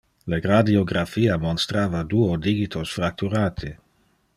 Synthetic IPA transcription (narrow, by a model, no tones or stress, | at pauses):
leɡɾad̪ioɡɾafiːamonst̪ɾaːvad̪uod̪iɡit̪ʰosfɾak̚t̪uɾaːt̪ʰi